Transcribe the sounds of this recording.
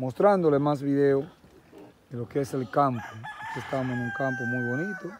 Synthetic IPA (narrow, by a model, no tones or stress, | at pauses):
most̪ɾand̪olemazβiðeo | d̪elokeeselkampoakiest̪amosenuŋkamp̬omujβo̞nit̪o